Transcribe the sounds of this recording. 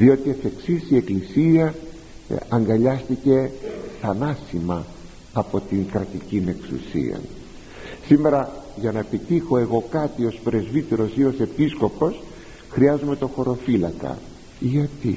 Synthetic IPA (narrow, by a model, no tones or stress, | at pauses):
ðio̞t̪iefe̞ksisie̞klisiɐ | ɐŋɡɐʎɐst̪ice̞θɐnɐsimɐ | ɐpo̞t̪iŋkɾɐt̪icine̞ksṵsḭɐ̰n | sime̞ɾɐʝɐnɐepit̪ixo̞e̞ɣo̞kɐt̪io̞spɾe̞zvit̪e̞ɾo̞sio̞se̞pisko̞po̞s | xɾiɐzume̞t̪o̞xo̞ɾo̞filɐkɐ̰ | iʝɐt̪i